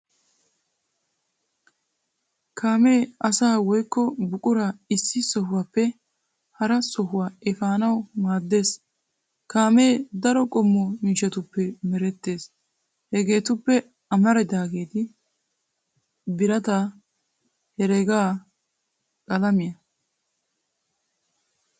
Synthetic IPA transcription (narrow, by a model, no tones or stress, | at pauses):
kʰaːmeːɐsaːwɔjkːɔbʊkʼʊɾaɪsːɪsɔɦʊwaːpːɛ | hɐɾɐsɔɦʊwaːɛfaːnɐwmaːd̪ːe̞ːs | kaːme̞ːd̪ɐɾɔkʼɔmːɔmɪːʃɛt̪ʊpːɛmɛɾɛt̪ːe̞ːs | hɛɡe̞ːt̪ʊpːɛ | ɐmɐɾɛd̪aːɡeːt̪ɪ | bɪɾɐt̪ɐ | hɛɾeːɡaː | kʼɐlɐmɪjɐ